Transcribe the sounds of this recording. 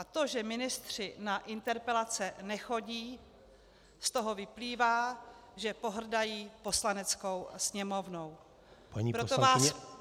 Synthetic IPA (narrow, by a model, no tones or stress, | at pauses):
ʔat̪o̞ʒɛmɪnɪst̪r̝̥ɪnaʔɪnt̪ɛɾpɛlat͡sɛnɛxo̞ɟiː | st̪o̞ɦo̞vɪpliːvaːʒɛpo̞ɦr̩dajiːpo̞slanɛt͡sko̞wsɲɛmo̞vnow | paɲipɾot̪ovaːs